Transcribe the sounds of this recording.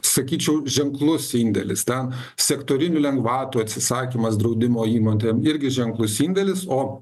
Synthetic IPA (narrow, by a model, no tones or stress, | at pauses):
sɐkʲiːt͡ʃʲɛʊʒʲɛŋklˠʊsinʲd̪ʲɛ̰lʲɪ̰st̪ʲɛn | sʲɛkt̪oːɾʲɪnʲʊlʲɛŋɡʋɑːt̪uɐt̪ʲsʲɪsɑːkʲiːmɐsd̪ɾɐɒʊd̪ʲɪmoːiːmoːnʲt̪ʲeːmɪɾʲɡʲɪʒʲɛŋklˠʊsiːnʲd̪ʲɛlʲɪsoː